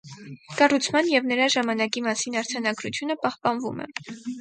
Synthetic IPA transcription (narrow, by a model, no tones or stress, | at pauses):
kɑrut͡sʰmɑnjɛvnəɾɑʒɑmɑnɑkimɑsinɑɾt͡sʰɑnɑɡɾut͡sʰjunəpɑhpɑnvṵmɛ̰